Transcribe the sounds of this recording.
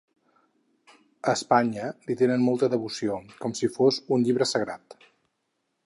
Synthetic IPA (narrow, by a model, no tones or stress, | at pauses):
əːspaɲəlit̪enənmɔlˠt̪əðəβusiokɔmsifoszunʎiβ̞ɾəsəɣɾat̪